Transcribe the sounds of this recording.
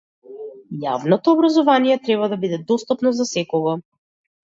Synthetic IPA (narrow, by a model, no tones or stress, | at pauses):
ja̰vnɔt̪ɔːbɾazɔvanijɛt̪ɾɛβad̪abid̪ɛd̪ɔst̪ɔpnɔzasɛkɔɡɔ